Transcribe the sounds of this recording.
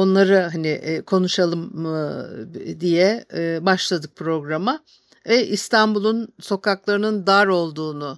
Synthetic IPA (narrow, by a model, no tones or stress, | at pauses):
o̞nlˠaɾaɦanɪʔkʰo̞nuʃalˠɯm | d̪ijɛbaʃlˠad̪ɯk̚pʰɾo̞ɡɾama | vɛʔist̪ʰanbulˠunso̞kaklˠaɾɯnɯnd̪aɾo̞lˠd̪uːnʊ